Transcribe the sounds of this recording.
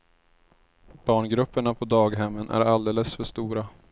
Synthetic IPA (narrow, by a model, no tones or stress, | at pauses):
b̥ɑːɳɡɾɵpːəɳapʰɔd̪ɑːɡɦɛmːənʔæ̰ɾald̪eːləsfœʂt̪uːɾa